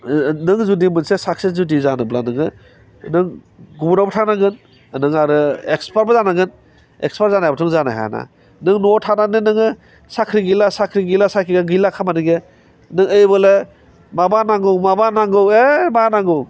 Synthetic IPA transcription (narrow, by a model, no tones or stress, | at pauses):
nɯŋzudimɯnsesaksezudizanɯblanɯŋɯ | nɯŋ | ɡubunabɔtʰanaɡɯn | nɯŋaɾɯekspaɾbɯzanaɡɯn | ḛkspaɾzanajabɔtʰɔŋzana̰ɦa̰na̰ | nɯŋnɔtʰananɯnɯŋɯ | sakʰɾiɡilasakʰɾiɡilasakʰiɡaɡɯlakʰamanɯɡe | nɯŋejbɯle | mabanaŋɡɯwmabanaŋɡɯwemanaŋɡɯw